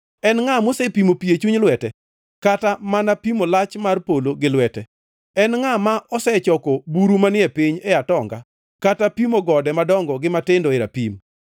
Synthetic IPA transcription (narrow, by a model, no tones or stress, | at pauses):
ɛnŋamosɛpimopiet͡ʃuɲlwɛtɛ | katamanapimolat͡ʃmarpoloɡɪlwɛtɛ | ɛnŋamaʔɔsɛt͡ʃɔkɔbuɾumanɪɛpɪɲɛatɔŋɡa̰ | katapimoɡɔdɛmadɔŋɡɔɡɪmatɪndɔɪɾapim